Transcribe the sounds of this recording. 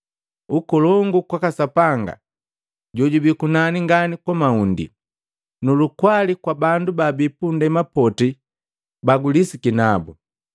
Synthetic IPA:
ukɔlɔŋɡukwakasapaŋɡa̰ | ɟɔɟubikunaniŋɡanikwamaundḭ | nulukwalikwabandubabipundɛmapɔti | baɡulisikinabu

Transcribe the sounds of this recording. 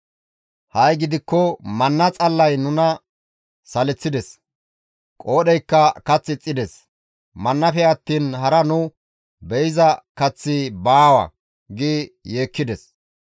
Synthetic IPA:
hɐjɡɪd̪ɪkːɔmɐnːɐt͡sʼɐlːɐjnʊnɐ | sɐlɛt͡sːɪd̪ɛs | kʼo̞ːɗɛjkːɐkɐt͡sːɪt͡sʼːɪd̪ɛs | mɐnːɐfɛɐt̪ːiːnɦɐɾɐnʊ | bɛjɪzɐkɐt͡sːɪbaːwɐ̰ | ɡɪjeːkːɪd̪ɛs

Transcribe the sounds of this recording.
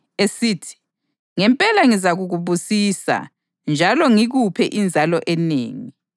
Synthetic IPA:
esiːtʰi̥ | ŋɛmpʼɛlaŋizaɣuɣuβusiːsa̰ | nd͡ʒʱalɔŋiɣupʰɛʔind͡zʱalɔʔɛnḛːŋi

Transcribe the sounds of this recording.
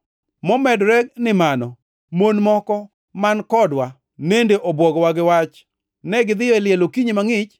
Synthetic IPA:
mɔmɛdɾɛknɪmanɔ | monmɔkɔ | mankɔdwa | nendeʔobwɔɡwaɡɪwat͡ʃ | nɛɡɪd̪ɪjɔɛlɪjɛlokiɲimaŋɪt͡ʃ

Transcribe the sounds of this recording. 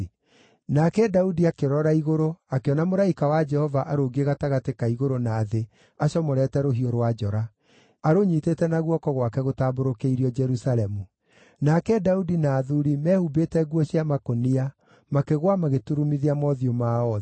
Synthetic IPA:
nakɛdaudiakeɾɔɾaiɣoɾoakeɔnamoɾaikawad͡ʒɛhɔvaʔaɾoɡeɣataɣatekaiɣoɾonaːðe | aɕɔmoɾɛtɛɾoɦioɾwad͡ʒɔɾaː | ɾoɲiːtetɛnaɣwɔkɔɣwakɛɣotaːboɾokeiɾiɔd͡ʒɛɾusalɛmu | nakɛdaudinaːðuɾimɛːhubetɛɣwɔɕjamakonia | makeɣwamaɣetuɾumiðiamɔðiomaɔ

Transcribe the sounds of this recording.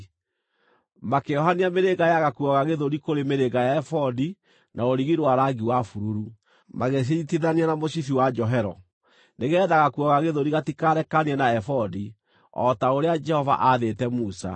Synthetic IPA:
makeɔɦaniameɾeɣajaɣakuɔɣaɣeðoɾikoɾemeɾeɣajaɛfɔdi | naoɾiɣiɾwaɾaɡiwafuɾuɾu | maɣes̬eitiðanianamoɕiθiwad͡ʒɔɦɛɾɔ | neɣɛːðaɣakuɔɣaɣeðoɾiɣatikaɾɛkaniɛnaɛfɔdi | ɔ̰taoɾead͡ʒɛhɔva̰ʔaðetɛmusa̰

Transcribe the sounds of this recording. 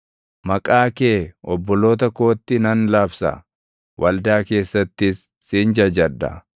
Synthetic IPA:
mɐkʼaːke̞ːɔbːɔlo̞ːt̪ɐko̞ːt̪ːɪnɐnlaːbsɐ̰ | wʔɐld̪aːke̞ːsːɐt̪ːɪsː | ind͡ʒɐd͡ʒɐd̪ːɐ̰

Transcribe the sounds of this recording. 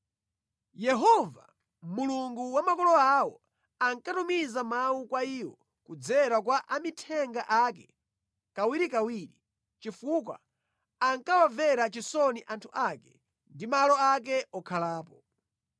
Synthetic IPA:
jɛɦɔva̰ | muluŋɡuwamakɔlɔawɔ | aŋkatumizamawukwaiːwɔ | kud͡zɛɾak̬waʔamitʰɛŋɡaʔak̬ɛ | kawiɾikawiːɾi | t͡ʃifuk̬wa̰ | aŋkawavɛɾat͡ʃisɔniʔantʰuʔakɛ | ndimalɔak̬ɛɔkʰalaːpɔ

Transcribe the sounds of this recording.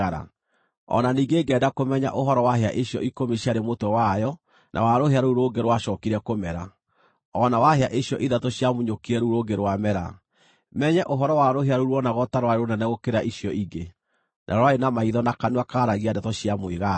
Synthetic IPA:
aɾa̰ | ɔ̰naniːŋɡeɡɛːdakomɛɲa̰ʔoɦɔɾɔwaɦea̰ʔeɕjɔ̰ikomeɕjaɾemotowajɔ | nʔa̰waɾoheaɾuɾoːɡeɾwaʃɔːkiɾɛkomɛɾa | ɔnawaheaʔeɕijɔʔiðatoɕjamuɲokiɛɾuɾoɡeɾwamɛɾa̰ | mɛɲɛʔoɦɔɾɔwaɾoɦeaɾuɾwɔnaɣɔtaɾwaeɾonɛnɛɣokeɾaʔiɕijɔiɡe | nʔa̰ɾwaenamaiðɔnakanuakaːɾaɣiadatoɕijamweɣa

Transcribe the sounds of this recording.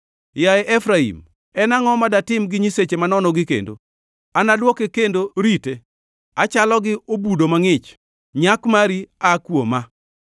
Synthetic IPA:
jaɛʔɛfɾaḭm | ɛnaŋɔmadatɪmɡɪɲiset͡ʃemanɔnɔɡɪkḛndo̰ | anadwɔkekendoɾite | at͡ʃalɔɡɪobudomaŋɪt͡ʃ | ɲakmaɾiakwoma

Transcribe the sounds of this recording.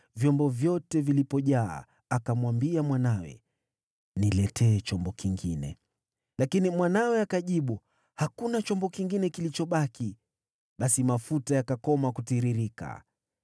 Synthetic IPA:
vjɔmbɔvjɔtɛvilipɔʄa̰ː | akamwambiamwanawɛ̰ | nilɛtɛːt͡ʃɔmbɔkiŋɡinɛ̰ | lakinimwanawɛakaʄiɓu | hakunat͡ʃɔmbɔkiŋɡinɛkilit͡ʃɔɓaki | ɓasimafutajakakɔmakutiɾiɾika̰

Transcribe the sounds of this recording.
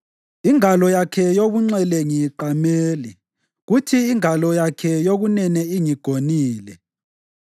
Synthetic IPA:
iŋalɔjakʰɛjoɣuŋ͡ǀɛlɛŋiǃameːli | ɣutʰiːŋalɔjakʰɛjoɣunɛnɛiŋiɡ̥ʱoniːlɛ

